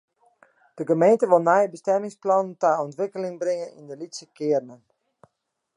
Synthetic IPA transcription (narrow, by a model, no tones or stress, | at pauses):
d̥əɡəmejntəʋolˠnɛjbəstɛmɪŋsplɔnəntaɔntʋɪkəlɪŋbrɪŋənḭndəlitsəkɪərnən